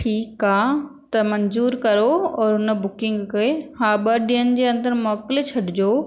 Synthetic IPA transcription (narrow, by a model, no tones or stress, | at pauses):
ʈʰiːkaːt̪ɐmɐɲzuːɾkɐɾoɔːɾɦʊnə̆bʊkɪ̃ŋɡkehaːɓɐɗijənɪ̆d͡ʑeːɐ̃nd̪əɾmɔːkɪlet͡ɕʰɐɖɪd͡ʑoː